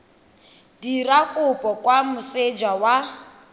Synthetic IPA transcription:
dirakʼʊpʼɔkʼwamʊsed͡ʒawa

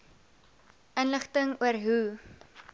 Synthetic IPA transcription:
ənləχtəŋuərɦu

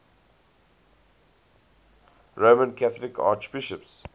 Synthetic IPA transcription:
ɹoːmə̃nkʰæθɔlɪkʰa̰ːt͡ʃbɪʃəps

